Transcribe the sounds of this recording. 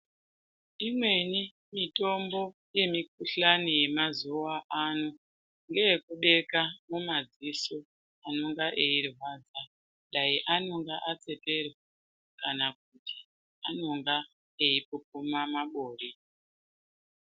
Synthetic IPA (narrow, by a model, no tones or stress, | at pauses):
imwe̞ni | mito̞mbo̞ | je̞mik̚uɬanije̞mazuwaʔano | ŋɡe̞je̞kuɗe̞kamumad͡ziso | ano̞ŋɡaʔeirwaːd͡za | ɗaiʔano̞ŋɡaʔat͡se̞pe̞rwa | kanak̚utʰi̥ | ano̞ŋɡa | e̞ipupumamaɓoːri